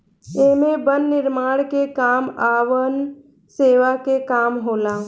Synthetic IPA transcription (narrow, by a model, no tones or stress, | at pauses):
emẽbənːɪɾmaːɽkekaːmaːʋən | seːʋakekaːmɦoːlaː